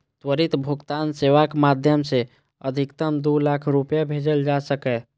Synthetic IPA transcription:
t̪wəɾit̪bʱuɡt̪anseʋakmad̪ʱjəmse | əd̪ʱikt̪əmd̪ulakʰɾupjabʱed͡ʒəld͡ʒasəkɛ

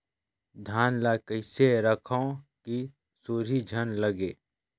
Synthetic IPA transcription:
d̪ʱaːnlakəɪseɾəkʰaõki | soːɾid͡ʒʱənləɡeː

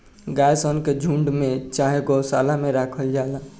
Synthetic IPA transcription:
ɡaːjsənked͡ʒʱũɳɖmẽt͡ʃaːɦeɡosaːlameɾaːkʰəld͡ʒaːla

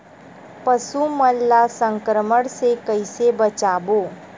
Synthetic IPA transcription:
pɐsuməlːasə̃ŋkɾəməɽsekɐɪsebɐt͡ʃaːboː

